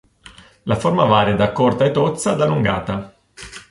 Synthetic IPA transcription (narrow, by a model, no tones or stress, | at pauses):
laformavaːɾjad̪akːort̪aet̪ːot̪sad̪aluŋɡa̰ːt̪a